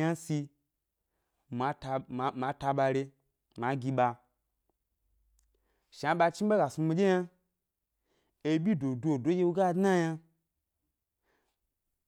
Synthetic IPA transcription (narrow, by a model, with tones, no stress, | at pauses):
a˦si˧ | ma˨˦˧ma˨˧ta˧ɓa˧ɾe˧ | ma˨˦ɡʲi˧ɓa˧ | ʃa˨˧˦ɓa˧t͡ʃi˦ba˦ɡa˨su˧mi˧d͡ʒe˦ja˦ | e˧bʲi˦do˨du˦o˨do˨˦je˦wu˧˦ɡa˦˨dna˦ja˧